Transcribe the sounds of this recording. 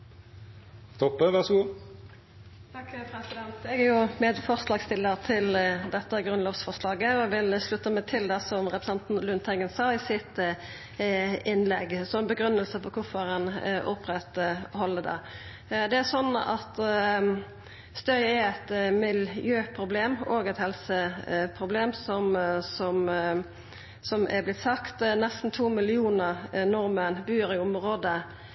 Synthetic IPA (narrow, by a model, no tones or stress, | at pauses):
t̪ʰɔpːəʋæʁsəɡuː | t̪ʰɑkːpʰɾɛsɪd̪ɛnt̪ɛɡæʁjʊmeːd̪fɔʁslɑːɡst̪ɪlːəʁt̪ʰɪld̪ɛt̪ːəɡʁʉnloːʋsfɔʁʂlɑːɡəɔɛʋɪlslʉt̪ːəmɛt̪ʰɪld̪ɛsɔmʁɛpɾəsɛnt̪nlʉnt̪ʰɛɡənsɑːɪsɪt̪ | ɪnlɛɡsɔbəɡɾʉnːəlsəfɔkʰʊfɔʁɛnʔʊpʁɛt̪hɔlːəd̪ɑ̰ | d̪ɛæsɔnːɑ̰t̪ | st̪œʏɛæt̪mɪljøːpʰʁʊbleːmoːɡɛt̪hɛlsəpʰʁʊbleːmsɔmsɔm | sɔmæ̰blɪt̪sɑkt̪nɛst̪n̩t̪ʰuːmɪlɪuːnəʁnɔʁmənbyːɾɪʊmʁoːd̪ə